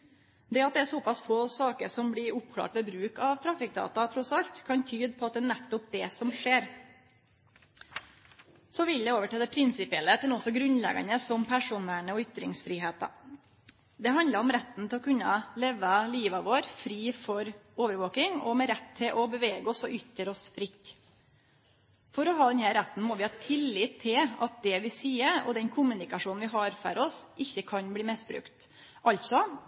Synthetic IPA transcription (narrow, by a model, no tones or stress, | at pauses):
d̪ɛɑt̪d̪ɛæsɔpɑsfoːsɑːkəɾʂɔmblɪɾʊpkʰlɑ̰ːʈʋɛbɾʉːkɑʋt̪ʰɾɑfɪk̚d̪ɑ̰ːt̪ɑt̪ʰɾɔsɑlt̪kʰɑnt̪ʰyːd̪pʰɔɑt̪̚d̪ɛnɛt̪ːɔp̚d̪ɛsɔmʂeːɾ | sɔʋɪljæɪoːʋəʈʰɛːd̪ɛpʰɾɪnsɪpɪɛlət̪ɛnɔsːɔɡɾʉnlɛ̰ɡɑ̰nəsɔmpʰæʂuːnæɳəɔʏt̪ɾɪŋsfɾiːɦeːt̪ə̰ | d̪ɛɦɑnd̪ləɾɔmɾɛt̪ːn̩t̪ʰɪlɔkʰʉnːəleːʋəliːʋɑʋoːɾfɾiːfɔɾoːʋəɾʋoːkɪŋɔmɛɾɛt̪ʰːɪlʔɔbəʋeːɡəɔsɔʔʏt̪əɾɔsfɾɪk | fɔɾɔɦɑːd̪ɛnhæːɾɛt̪ːn̩mɔʋɪhɑt̪ʰɪlːɪt̪ʰːɪlɑt̪̚d̪ɛʋɪsiːəɾɔ̰d̪ɛnkʰʊmʉnɪkɑʂuːnn̩ʋɪɦɑːɾfɔ̰ɾɔsʔɪçːəkʰɑnbliːmɪsbɾʉ̰kt̪ | ʔɑlt̪sɔ